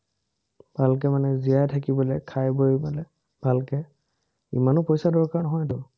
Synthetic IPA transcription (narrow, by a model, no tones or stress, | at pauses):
bʱalk̬ɛmanɛzijajtʰakibɔlɛkʰajbojbalɛ | b̥ʱalkɛ | ḭmanʊpɔjsadɔɹkaɹnɔɦɔjtʊ